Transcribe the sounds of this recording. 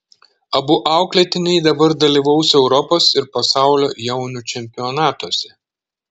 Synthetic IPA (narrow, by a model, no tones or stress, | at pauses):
ɐbʊʔɑˑʊklʲɛt̪ʲɪnʲɛɪd̪ɐbɐɾd̪ɐlʲiˑʋɐʊsɛʊɾɔpoːsɪɾpɐsɑˑʊlʲo̰ːjɛʊnʲuːˑt͡ʃʲɛmʲpʲɪɔnɑːt̪uɔsʲɛ